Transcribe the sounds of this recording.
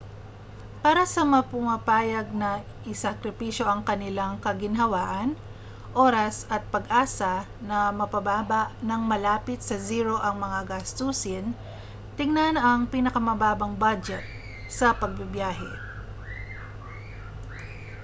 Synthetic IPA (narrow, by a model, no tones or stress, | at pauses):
paːɾɐsɐmɐpʊmɐpaːjɐɡ̚nɐ | ʔɪsɐkɾɪpiʃjo̞ʔɐŋkɐnɪlaŋkɐɡɪnɦɐwaːʔɐn | ʔo̞ːɾɐsɐt̪̚pɐɡʔaːsɐ | nɐmɐpɐbaːbɐʔnɐŋmɐlaːpɪt̪sɐziːɾo̞ʔɐŋmɐŋaɡast̪usɪn | t̪ɪŋnanɐŋpinɐkɐmɐbaːbɐŋbad͡ʒɛt̪̚ | sɐpɐɡ̚bɪbjaːɦɛ̰